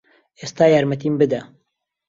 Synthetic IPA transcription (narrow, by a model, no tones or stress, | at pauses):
eːst̪aːjaːɾmɛt̪iːmbɨd̪ɐ